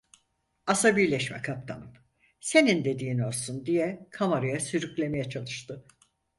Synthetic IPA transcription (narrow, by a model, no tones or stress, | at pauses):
asabiɾlʲɛʃmɛ̰kʰap̚t̪ʰa̰nɯp | se̞nind̪e̞d̪iːno̞ɾˠsund̪ijɛkʰamaɾajasyɾyclʲe̞me̞jɛt͡ʃʰalˠɯʃt̪ʰɯ